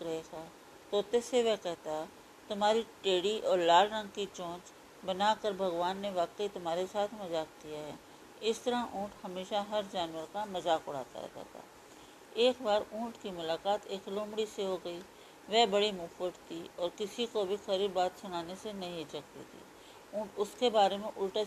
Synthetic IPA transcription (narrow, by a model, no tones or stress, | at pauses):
ɾɛɦka | t̪oːt̪eseʋɛɦkɛɦt̪aɦɛ | t̪ʊmɦaːɾiʈeːɽiʔɔːɾlaːlɾɐ̃ŋɡ̚kit͡ʃõːt͡ʃ | bɐnakəɾbʱɐɣʋaːnːeʋaːqəit̪ʊmaːɾesaːt̪ʰmɐzaːk̚d̪ijaɦɛː | ɪst̪ɐɾãũːʈhɐmeːʃaɦɐɾd͡ʒaːnʋəɾkamɐzaːkʊɽa̰ːt̪a̰ɦɛ̰ːɡ̪a̰ɦt̪ʰa̰ː | eːkbaːɾũːʈkimʊlaːkaːt̪eːklõːmɽiseɦoɡɐi | ʋɛːbɐɽimuːfʋəʈt̪ʰiɔːɾkɪsikobʱixɐɾiːɾbaːt̪sʊnaːnesenɐɦĩt͡ʃɐkt̪ḭt̪ʰḭː | ũːʈʊskebaːɾemẽʔʊlʈa